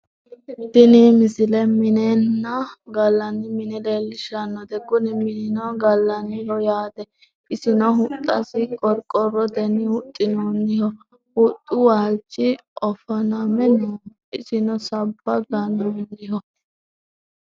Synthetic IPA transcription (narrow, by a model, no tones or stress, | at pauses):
d̪̥ɪnɪmɪsɪlɛmɪnɛnːɐɡɐlːɐnːɪmɪnɛlelːɪʃɐnːɔd̪ɛɡʊnɪmɪnɪnɔɡɐlːɐnːɪhɔjaːd̪ɛ | ɪsɪnɔɦʊt̪ʼːɐsɪkʼɔɾkʼɔrɔd̪ɛnːɪhʊt̪ʼːɪnonːɪhɔ | hʊt̪ʼːʊwaːlt͡ʃːɪ | ʔɔfɔnɐmɛno | ɪsɪnɔsɐbːɐɡɐnunːɪɦɔ